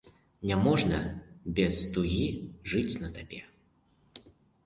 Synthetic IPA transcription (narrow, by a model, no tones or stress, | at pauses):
nʲamɔʐnɐ̰bʲɛst̪uɣʲiʐɨt͡sʲnɐt̪abʲɛ